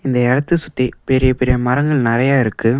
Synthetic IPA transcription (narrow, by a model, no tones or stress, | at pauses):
ɪnd̪ɐɛɽɐt̪ːɯsʊt̪ːɐɪpɛɾɪjɐpɛɾɪjɐmɐɾɐŋɡɐɭnɪrɐjaːɪɾɯkːɯ